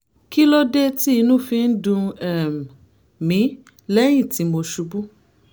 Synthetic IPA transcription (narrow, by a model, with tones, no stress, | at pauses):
ki˦lɔ˦de˦ti˦i˧nũ˦fĩ˧˦n̩˦dũ˧ɛ˨ | mĩ˨˦ | lɛ˦j̃ĩ˦˨ti˨˦mo˧ʃu˧˦bu˦